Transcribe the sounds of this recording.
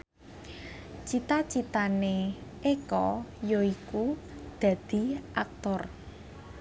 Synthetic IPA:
t͡ʃit̪at͡ʃit̪ane | ekɔjoiku | d̪̥ä̤d̪̥i̤ʔa̰k̚t̪ɔr

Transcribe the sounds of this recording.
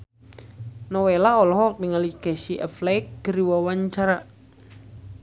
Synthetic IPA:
nɔwelaɔlɔɦɔk̚niŋalikɛsiʔə̰flɛjk̚ɡ̥əɾiwawaɲt͡ʃaɾa

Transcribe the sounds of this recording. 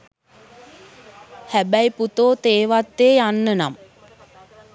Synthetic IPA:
hæbæjput̪oːt̪eːʋat̪ːeːjanːəna̰m

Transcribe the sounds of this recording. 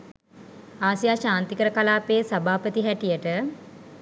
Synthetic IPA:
aːsijaːʃaːnt̪ikəɾəkalaːpeːsabʱaːpət̪iɦæʈijəʈə

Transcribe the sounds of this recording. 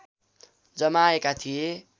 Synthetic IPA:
d͡zʌmaekat̪ʰije

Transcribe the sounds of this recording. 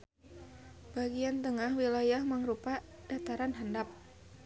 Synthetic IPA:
b̥aɡiant̪əŋahwilajahməŋɾupa | d̥at̪aɾanɦandap̚

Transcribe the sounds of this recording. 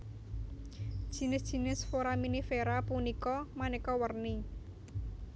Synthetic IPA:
d̥ʒ̥i̤nɪsd̥ʒ̥i̤nɪsfoɾaminifeɾapunikɔmanɛkɔwərni

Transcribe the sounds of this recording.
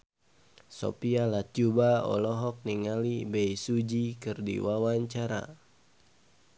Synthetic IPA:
so̰pialat̚d͡ʒubaɔ̰lɔɦɔk̚niŋalibɛjsud͡ʒikɨrdḭwawaɲt͡ʃaɾa̰

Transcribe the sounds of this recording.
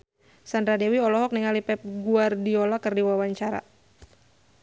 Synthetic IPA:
sandɾadewiɔlɔɦɔk̚niŋalipɛp̚ɡuardiolakɨrdiwawaɲt͡ʃaɾa̰

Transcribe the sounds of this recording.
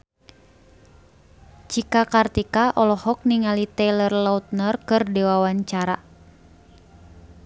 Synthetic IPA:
t͡ʃikakart̪ikaʔɔlɔhɔk̚niŋalit̪ɛlərlaut̪̚nərkɨrdɛwawaɲt͡ʃaɾa

